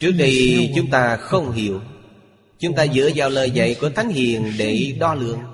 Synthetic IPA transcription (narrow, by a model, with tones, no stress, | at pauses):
t͡ɕɨ˦˥ək̚ɗi˧t͡ɕʊ˨˦ŋ͡mt̪aː˧xə˧wŋ͡mɦi˧˩əw | t͡ɕʊ˨˦ŋ͡mt̪aː˧zɨ̰˧˥əzaː˨˩wləː˨˩jzə̰˧˨jku˧˩ət̪ʰa˨˦jŋ̟hḭ˧˨ənɗe˧˩ɗɔ˧lɨ̰˧˨əŋ